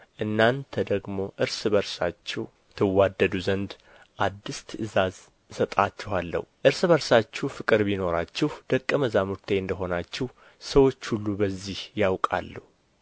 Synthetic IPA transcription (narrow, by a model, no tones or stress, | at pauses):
ʔɨnːant̪ʰəd̪əɡmo̞ʔɨɾsɨbəɾsat͡ʃːɪ | t̪ʰɨwːad̪ːəd̪uzənd̪ | ʔad̪ːist̪ʰɨɨzaz | sət̪ʼat͡ʃːɪhalːə̰huʔɨɾsɨbəɾsat͡ʃːufɨkʼɨɾbino̞ɾat͡ʃːɪhd̪̥əkʼːəməzamuɾt̪ʰeɨnd̪əɦo̞nat͡ʃːɪh | səwo̞t͡ʃːhulːubəzːihjawkʼa̰lːuhu